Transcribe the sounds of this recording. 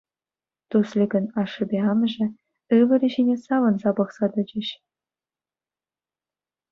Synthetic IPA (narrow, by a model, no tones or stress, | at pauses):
t̪uslʲiɡʲɤ̆nɑʂːɤ̆bʲeɑmʐɘ̆ | ɯʋɘ̆ɾʲɘ̆ʑinʲesɑʋɤ̆nzɑbɤ̆χsɑd̪ɤ̆d͡ʑɘ̆ɕ